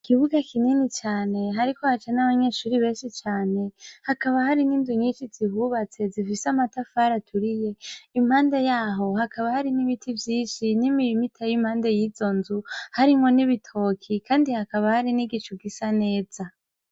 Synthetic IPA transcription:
kiβuɡakʰininit͡ʃaːne̞ɦaɾikohat͡ʃanaβaɲe̞ʃuːɾiβe̞ːnʃit͡ʃaːne̞hakaβahaɾininduɲit͡ʃizihuβat͡se̞zifisamatafaːɾatʰuɾije̞imhaːnde̞jaːɦo̞hakaβahaɾiniβitʰivjiːnʃinimijmitʰajim̥haːnde̞jiːzo̞nzuhaɾimŋo̞niβitʰo̞ːkʰikaːndihakaβahaɾiniɡit͡ʃuɡisane̞ːz̥a

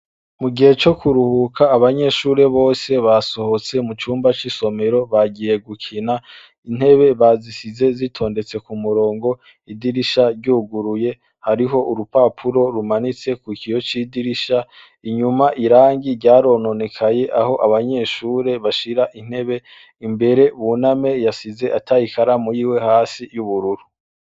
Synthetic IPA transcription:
muɡihe̞t͡ʃo̞kuɾuhukʰaːβaɲe̞ʃuːɾe̞βo̞ːse̞βaso̞ho̞t͡se̞mut͡ʃuːmbat͡ʃiso̞me̞ɾo̞βaɡije̞ɡukʰina | in̥he̞βe̞βazisize̞zitʰo̞ːnde̞t͡se̞kumuɾo̞ːŋɡo̞ | idiɾiʃaɾɟuɡuɾuje̞ | haɾiɦo̞ʔuɾupapʰuɾo̞ɾumanit͡se̞kukijo̞t͡ʃidiɾiʃa | iɲumaʔiɾaːŋɡiɾɟaːɾo̞no̞nekʰaje̞ʔaho̞ʔaβaɲe̞ːʃuːɾe̞βaʃiɾaʔin̥he̞βe̞ | imbe̞ɾe̞βuname̞jasize̞ʔatajikʰaɾamujiwe̞haːsijuβuɾuɾu

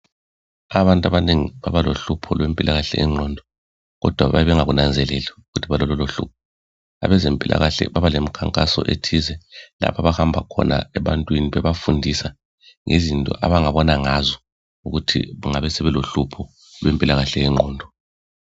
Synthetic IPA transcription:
aβantʼaβaneŋiβaβaloɬupʰɔlwempʼilʔaɣaɬɛ̰ʔɛŋ͡ǃʱɔːndʱɔ | ɣɔ̰d̥ʱwaβajɛβɛŋaɣunand͡zʱɛlɛlɛuɣutʰiβalɔlɔloɬṵp̚ʰɔ | a̰βɛzempʼilʔa̰ɣaɬɛ̰βaβalemikʰaŋkʼasɔ̰ʔetʰizɛla̰pʰaβahambʱakʰɔ̰na̰ɛβantʼwiniβɛβafundʱisa | ŋezintʼɔ̰ʔa̰βaŋaβɔnaŋazɔ | uɣutʰḭɣuŋaβɛsɛβɛloɬupʰɔ | lwempʼilaɣaɬɛjɛŋ͡ǃʱɔːndʱɔ

